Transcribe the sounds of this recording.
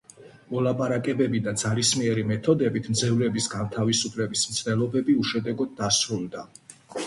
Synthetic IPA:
mɔlˠapʼaɾakʼɛbɛbid̪ad̪z̥aɾismiɛɾimɛt̪ʰɔd̪ɛbit̪ʰmd̪zɛvlɛbisɡant̪ʰavisupʰlɛbismt̪sʰd̪ɛlˠɔbɛbiuʃɛd̪ɛɡɔd̪̚ːasɾulˠd̪a

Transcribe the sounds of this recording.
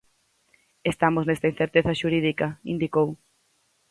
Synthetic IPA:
est̪amoznest̪ain̟θeɾt̪eθɐʃuɾiðikɐḭnd̪ikow

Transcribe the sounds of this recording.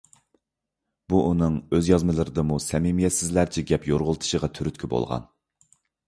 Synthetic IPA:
b̥uʔunɨŋøzjɑzmɨlˠɨɾɨd̪ɨmusɛmimijɛt̪sɪzlæɾt͡ʃʰɛɡʲɛpjoɾʁʊlˠt̪ʰɨ̥ʃəʁɑt̪ʰyɾyt̪ʲkʲʰibo̰lˠʁɑ̰n

